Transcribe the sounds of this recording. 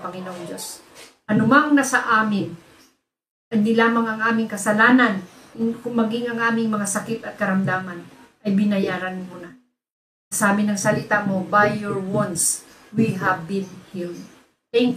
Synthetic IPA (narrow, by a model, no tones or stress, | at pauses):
pɐŋɪnoʔŋd͡ʒo̞s | ʔɐnʊmaŋnɐsɐʔaːmɪn | ʔɐd̪ɪlaːmɐŋɐŋʔaːmɪŋkɐsɐlaːnankʊŋmɐɡɪŋɐŋʔaːmɪŋmɐŋasɐkɪt̪ɐt̪̚kɐɾɐmd̪aːmanʔɐjbɪnɐjaːɾɐnmuna | ɐsaːmɪnɐŋsɐlɪt̪aʔmo̞bajːɔɹwɔns | wiɦavbɪnhil | ɛŋ